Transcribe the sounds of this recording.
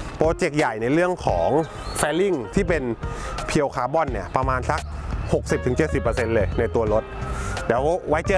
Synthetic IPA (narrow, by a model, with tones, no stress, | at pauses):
pɾoː˧t͡ɕe˨˩k̚ja˨˩jna˧jɾɯ˥˩əŋkʰɔ̰ː˩˦ŋ | fɛː˧li˥˩ŋt̪ʰiː˥˩pe˧npʰi˧ə˧wkʰaː˨˦bɔ˧˥˩nːi˧˩ɐpɾa˧maː˧nsa˦˥k̚ho˨˩k̚si˨˩p̚t̪ʰɯ˩˦ŋt͡ɕe˨˩t̪̚si˨˩pːɤː˧se˧nlɤː˧jna˧jt̪u˧ɐlo˦˥t̪̚dɛː˩˦˥wwa˦˥jt͡ɕɤː˧